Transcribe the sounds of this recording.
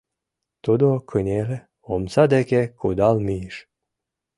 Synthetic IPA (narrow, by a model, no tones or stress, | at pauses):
t̪ud̪okʰɨnʲele | omsad̪ekʲekʰud̪almiʃ